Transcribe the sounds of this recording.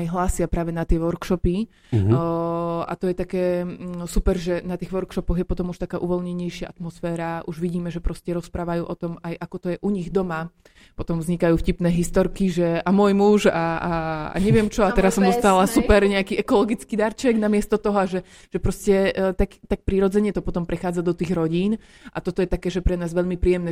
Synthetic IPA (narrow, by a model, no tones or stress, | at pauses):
ajɦlaːsɪapɾaːʋɛnat̪ɪɛʋɔɾkʃɔpi | a̰t̪ɔjɛt̪akɛːsupɛɾʒɛnat̪iːɣʋɔɾkʃɔpɔɣjɛpɔt̪ɔmuʃt̪akaːʔuʋɔlɲɛɲɛjʃɪaʔat̪mɔsfɛːɾaʔuʒʋiɟiːmɛʒɛpɾɔscɛɾɔspɾaːʋajuːʔɔt̪ɔmajʔakɔt̪ɔjɛʔuɲiɣd̪ɔma | pɔt̪ɔmvzɲikajuːfcipnɛːɦist̪ɔɾkiʒɛamʊɔjmuʒaaa̰ɲɛʋɪɛmt͡ʃɔat̪ɛɾasːɔmd̪ɔst̪alasupɛɾɲɛakiʔɛkɔlɔɡit͡skiːd̪aɾt͡ʃɛɡnamɪɛst̪ɔt̪ɔɦɔaʒɛ | ʒ̥ɛpɾɔscɛt̪akt̪ak̚pɾiɾɔd͡zɛɲɛt̪ɔpɔt̪ɔmpɾɛxaːd͡zad̪ɔt̪iːɣɾɔɟiːn | ʔat̪ɔt̪ɔjɛt̪akɛːʒɛpɾɛnaːzʋɛʎmipɾiːjɛmnɛː